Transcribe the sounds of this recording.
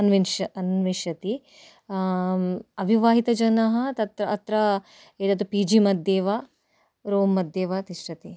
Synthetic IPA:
ɐnʋinʃɐɐnʋiʃɐt̪i | ɐbʱiʋaːɦit̪ɐd͡ʒɐnɐɦɐt̪ɐt̪ɾɐɐt̪ɾɐ | eːd̪ɐd̪upiːd͡ʒimɐd̪ːeːʋaː | ɾoːmːɐd̪ːeːʋaːt̪iʂʈɐt̪i

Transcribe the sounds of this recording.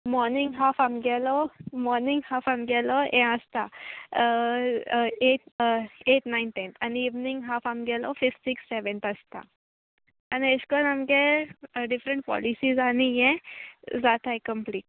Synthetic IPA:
mɔɾniŋɡɦafamɡɛlɔmɔɾniŋɡhafamɡɛlɔɛ̃əst̪a | eʈeʈnainʈent̪ʰaniːʋnĩŋɡɦafamɡɛlɔfifʈsiksːeʋɛnt̪əst̪a̰ː | nieskɔnamkeɖifɾəɳʈ̚pɔ̰lisizanijɛ̃d͡zat̪aekəmpliːʈ

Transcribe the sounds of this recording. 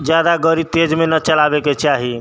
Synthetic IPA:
d͡ʒjad̪aɡəɾit̪ed͡ʒmenət͡ʃəlabeket͡ʃʰaɦi

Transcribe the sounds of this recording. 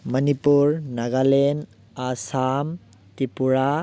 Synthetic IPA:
mɐnipuɾnɐɡalen | asam | tipuɾa

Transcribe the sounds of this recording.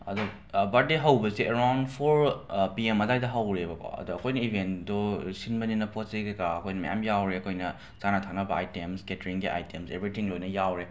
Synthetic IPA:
ɐ̰do | bɐt̚deɦɐwbɐzieɾawndpʰoɾpiemɐdajdɐɦawɾebɐkʰo̰ɐ̰doɐkʰojnɐibʱendosinbɐninɐpʰot̚seɡekaɐkʰojnɐmɐja̰mjawɾeɐkʰojnɐ | zanatʰak̚nɐbɐa̰jtemsketɾiŋɡiʔa̰jtemsebɾitʰiŋlojnɐjawɾe

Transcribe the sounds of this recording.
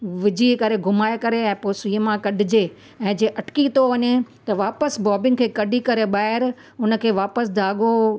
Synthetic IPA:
ʋɪd͡ʑʱiːkɐɾeɡʱʊmaːekɐɾeɛ̃ːpoːsiːmãkɐɖʱɪd͡ʑe | ɛ̃ːd͡ʑeːʔɐʈɪ̥kit̪ʰoʋɐɲet̪ɐʋaːpəsbɔːbɪ̃ŋɡkʰeːkɐɖʱikɐɾeɓaːɦɪɾ | ʊnəkʰeːʋaːpəsd̪ʱaːɠo

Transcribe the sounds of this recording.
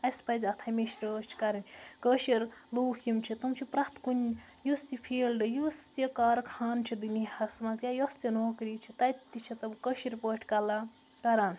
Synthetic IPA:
ɐjspɐzʲɐt̪ʰameʃɾəːt͡ʃʰi̥kaɾinʲkəʃiɾluːhimt͡ʃʰit̪ɐmt͡ʃʰipɾɐht̪ʰkunʲ | just̪ipʰeːlɖɨjust̪ikaːɾkʰaːnt͡ʃʰid̪unihɐsmasjajost̪jinoːkɾit͡ʃʰit̪ɐt̪ːit͡ʃʰit̪ɐmkəʃiɾpəʈʰkala | k̪ɐɾaːn

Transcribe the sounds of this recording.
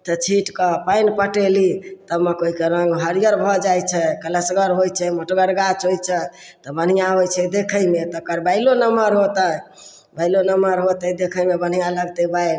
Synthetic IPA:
t̪ɔt͡ʃʰiʈkəpainpəʈelit̪əmekoikeɾəŋɡɦəɾijəɾbʱɔd͡ʒajt͡ʃʰɛkələsɡəɾɦojt͡ʃʰɛməʈɡəɾɡat͡ʃɦojt͡ʃʰɛ | t̪ɔbən̤ijaɦojt͡ʃʰɛd̪ekʰəjmet̪ɔkəɾbaɪlonəməɾɦot̪ə | baɪlonəməɾɦot̪əd̪ekʰəjmebən̤ijaləɡt̪ɛbajl

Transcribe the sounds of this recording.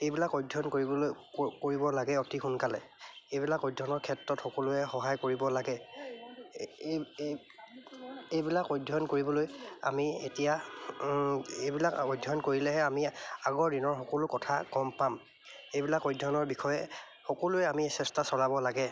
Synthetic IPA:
ejbilakɔjdʱɔnkoɹibɔ | koɹibɔlaɡɛotixʰunkalɛ̰ejbilakɔjdʱɔnɔɹkʰɛtɹɔtxɔkɔlʊɛxɔɦajkoɹibɔlaɡɛ | ejbilakɔjdʱɔnkoɹibɔloja̰mietija | ejbilakɔjdʱɔnkoɹilɛɦɛamiaɡɔɹdinɔɹxɔkɔlʊkɔtʰakɔmpam | ejbilakɔjdʱɔnɔɹbixɔjɛ | xɔkɔluɛamiɛsɛstasɔlabɔlaɡɛ

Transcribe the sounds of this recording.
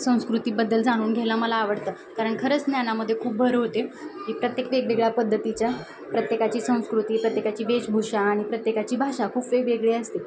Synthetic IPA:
sə̃w̃skɾut̪iːbəd̪ːəld͡zaɽ̃uːnɡʱelaməlaːʋəɽt̪əː | kaɾəɳkʰəɾət͡snjanaməd̪ʱːjekʰuːp̚bʱəɾɦot̪eɦiːpɾət̪jekʋeɡʋeɡɭjapəd̪ʱːət̪it͡ɕja | pɾət̪jekat͡ɕiːsə̃w̃skɾut̪iːpɾət̪jekat͡ɕiːʋet͡ɕbʱuʂaːɽ̃ipɾət̪jekat͡ɕiːbʱaʂakʰuːpʋeʋeɡɭeəst̪i

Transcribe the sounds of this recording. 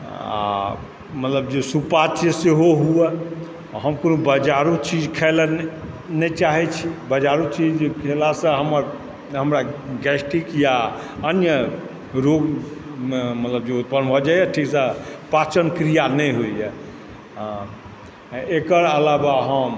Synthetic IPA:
a̰ | mət̪ləbd͡ʒesupat͡ʃjəseɦoɦuɛ | ɦəmkonobəd͡ʒaɾut͡ʃid͡ʒkʰɛl | nɛt͡ʃaɦɛt͡ʃʰibəd͡ʒaɾut͡ʃid͡ʒkʰelasə̃ɦəməɾ | ɦəmɾaɡɛsʈikja | ənjə | ɾoɡ | mət̪ləbd͡ʒeut̪̚pənbʱɔd͡ʒajɛʈʰiksəpat͡ʃənkɾijanɛjɦoijɛ | ekəɾəlabaɦəm

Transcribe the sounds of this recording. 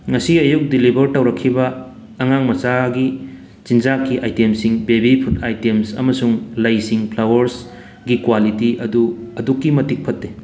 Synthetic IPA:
ŋɐsiɐjuk̚dilibʱɐɾtɐwɾɐkʰːibɐː | ŋaŋmɐt͡ʃaɡi | t͡ʃind͡ʒakːiʔajtemsiŋbebipʰut̚ajtemsɐ̰mɐsuŋlɐjsiŋpʰlawɐɾs | ɡikwalitiʔɐduɐdukːimɐtik̚pʰɐtːe

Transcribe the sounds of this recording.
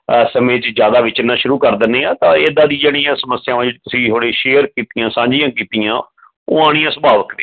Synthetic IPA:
səmẽːt͡ʃd͡ʒjaːd̪aːʋɪt͡ʃnaːʃʊɾuːkəɾd̪ɪnːeːãːt̪ãːeːd̪ãːd̪iːd͡ʒeːɽ̃iːãːsəməsːjaːʋãːd͡ʒɪd͡ʒt̪ʊsĩːt̪ʰoːɽeːʃeːəɾkiːt̪ijãːsãːɲd͡ʒɪjãːkiːt̪ijãː | o̰ːaːɽ̃ĩːãːsəbaːʋəkd̪eː

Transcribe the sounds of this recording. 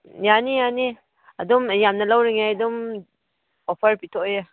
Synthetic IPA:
janijani | adɔmjamnalawɾiŋajdum | ɔpʰəɾpitʰɔja

